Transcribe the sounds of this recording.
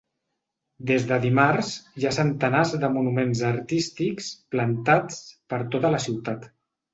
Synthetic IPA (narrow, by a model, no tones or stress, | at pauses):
d̪ezðəðimaɾzʒasənt̪ənazðəmunumenzəɾt̪ist̪iksplənt̪at͡spəɾt̪ot̪ələsiwt̪at̪